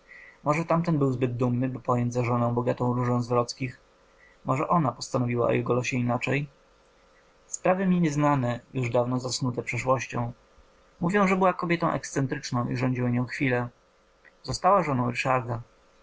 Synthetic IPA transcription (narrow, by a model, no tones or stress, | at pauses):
mɔʐɛt̪amt̪ɛnbɘwzbɘd̪̚d̪umnɘbɘpɔjɔɲdʲzaʐɔnɔ̃w̃bɔɡat̪ɔ̃w̃ɾuʐɔ̃w̃zvɾɔt̪skʲix | mɔʐɛʔɔnapɔst̪anɔvʲiwa̰ɔ̰jɛɡɔlɔɕɛinat͡ʂɛj | spɾavɘmʲiɲɛznanɛjuʐd̪avnɔzasnut̪ɛpʂɛʂwɔɕt͡ɕɔ̃w̃ | muvʲjɔ̃w̃ʐɛbɘwakɔbʲjɛt̪ɔ̃w̃ʔɛ̰kst̪sɛnt̪ɾɘt͡ʂnɔ̃w̃ḭʐɔɲd͡ʑiwaɲɔ̃w̃xfʲilɛ | zɔst̪awaʐɔnɔ̃w̃ɾɘʂaɾd̪a